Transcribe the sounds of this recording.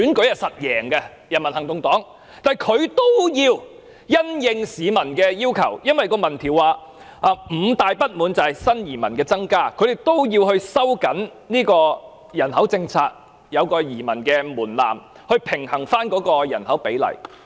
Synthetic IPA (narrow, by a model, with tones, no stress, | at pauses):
yː˨˥nkɵ˨˥ɥjɐ˨sɐ˨t̚jɛː˨˩ŋkɛ˧ | jɐ˨˩nmɐ˨˩nhɐ˨˩ŋt̪ʊ˧ŋt̪ɔː˨˥ŋ | t̪aː˨jkʰɵ˨˧ɥt̪o˥wjiː˧w | jɐ˥njɪ˧ŋsiː˨˧mɐ˨˩nkɛː˧jiː˥wkʰɐ̰˨˩wjɐ˥nwɐ˨jkɔː˧mɐ˨˩nt̪ʰiː˨˩waː˨ | ʔaː˨m̩˨˧t̪aː˨jpɐ˥t̚muː˨˥nt͡sɐ˨hɐ˨jsɐ˥njiː˨˩mɐ˨˩nkɛː˧t͡sɐ˥ŋkaː˥kʰɵ˨˧ɥd̪e˨˩jt̪o˥wjiː˧whɵ˧ɥsɐ˥wkɐ˨˥n | niː˥kɔː˧ | jɐ˨˩nhɐ˨˥wt͡sɪ˧ŋt͡sʰaː˧t̚ | jɐ˨˧wkɔː˧jiː˨˩mɐ˨˩nkɛː˧muː˨˩nla̰ː˨˩m | hɵ˧ɥpʰɪ˨˩ŋhɐ˨˩ŋfaː˥nkɔː˨˧˥kɔː˧jɐ̰˨˩nhɐ˨˥wpe˨˥jlɐ̰˨˩j